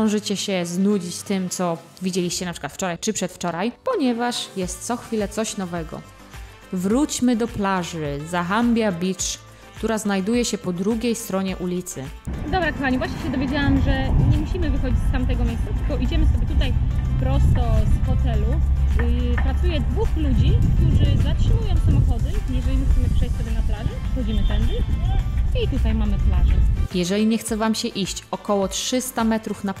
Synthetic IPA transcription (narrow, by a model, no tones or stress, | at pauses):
ɔ̃w̃ʐɘt͡ɕɛɕɛznud͡ʑit͡ɕt̪ɘmt̪sɔ | vʲid͡ʑɛlʲiɕt͡ɕɛnapʂɘ̥kwat̪ft͡ʂɔɾajt͡ʂɘpʂɛt̪ft͡ʂɔɾajpɔɲɛvaʂjɛst̪t̪sɔxfʲilɛt̪sɔɕnɔvɛɡɔ̰ | vɾut͡ɕmɘd̪ɔplaʐɘzaxambʲjabʲit͡ʂ | kt̪uɾaznajd̪ujɛɕɛpɔd̪ɾuɡʲejst̪ɾɔɲɛʔulʲit̪sɘ̰d̪ɔbɾakɔxaɲivwaɕɲeɕɛd̪ɔvʲjed͡ʑawamʐɛɲɛmuɕimɘvɘxɔd͡ʑit͡ɕst̪amt̪ɛɡɔmʲejst̪sat̪ɘlkɔʔid͡ʑɛmɘsɔbʲɛt̪ut̪ajpɾɔst̪ɔsxɔt̪ɛlu | pɾat̪sujɛd̪vuxlud͡ʑikt̪uʐɘzatʂɨmujɔ̃w̃samɔxɔd̪ɘjɛʐɛlʲimuxsɛmɘpʂɛjssɔbʲjɛnaplaʐɛxɔd͡ʑimɘpɾɛnd͡ʑɛ | it̪ut̪ajmamɨplaʐɛjɛʐɛlʲiɲɛxt̪sɛvamɕɛʔiɕt͡ɕɔkɔwɔtʂɘst̪amɛt̪ɾufna